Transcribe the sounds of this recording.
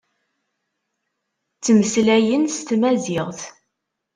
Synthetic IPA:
t͡sːməslæjənst̪mæzɪʁθ

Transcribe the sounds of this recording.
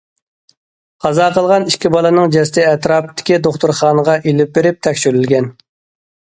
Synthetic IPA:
qʰɑzɑːqʰəlˠʁɑniʃkʲibɑlˠɨnɨŋd͡ʒɛst̪ɪɛt̪ɾɑːp̚t̪ʰɪ̥kʲid̪oχt̪uɾχɑːnəʁɑʔelɪp̚beɾɪp̚t̪ʰɛkʲʃyɾylɡʲɛn

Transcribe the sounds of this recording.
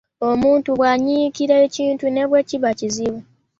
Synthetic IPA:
o̞muːntuβwaɲiːkiɾeːciːntune̞βwe̞ːciβaciziwo

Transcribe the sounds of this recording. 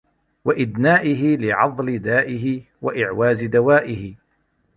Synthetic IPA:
waʔɪd̪naːʔɪɦɪlɪʕɑðˤlɪd̪aːʔɪɦɪ | wa̰ʔɪʕwaːzɪd̪awaːʔɪhɪ

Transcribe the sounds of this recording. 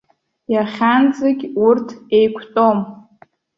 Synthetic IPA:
jaχʲand͡zʼaɡʲurtʰejkʷʰtʼom

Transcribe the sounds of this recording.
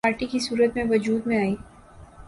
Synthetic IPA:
aːɾʈikisuːɾət̪mẽʋɐd͡ʒuːd̪mẽaːiː

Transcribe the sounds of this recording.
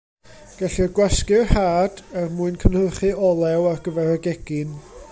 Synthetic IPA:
ɡ̥aɬirɡwɛskɪrhaːd̥ɛrmuɨnkʰənhərχɨɔlˠɛwarɡəvɛɾəɡɛɡ̥ɪn

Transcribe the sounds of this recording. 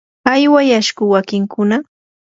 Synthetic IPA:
ajwajaʃkʊwakɪŋkʰʊna

